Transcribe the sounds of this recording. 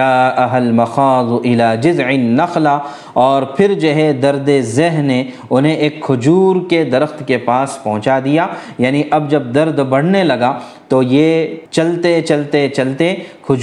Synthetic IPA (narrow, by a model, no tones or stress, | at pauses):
aːʔɐɦɐlmɐxaːdʊʔɪlaːd͡ʒɪzʕɪnːɐxla | ɔːɾpʰɪɾd͡ʒoːɦɛ̃d̪ɐɾd̪ezɛɦne | ʊnɦẽʔeːkʰːʊd͡ʒuːɾked̪ɐɾəxt̪kepaːspɐɦʊ̃t͡ʃad̪ijaːjaːniʔɐbd͡ʒɐb̚d̪ɐɾd̪bɐɽ̤nelɐɡa | t̪ojet͡ʃɐlt̪et͡ʃɐlt̪et͡ʃɐlt̪ekʰʊd͡ʒ